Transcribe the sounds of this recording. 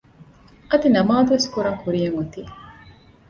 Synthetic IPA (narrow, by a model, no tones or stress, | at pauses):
ɐd̪inɐmaːd̪uʋeskuɾaːŋkuɾijɐŋut̪iː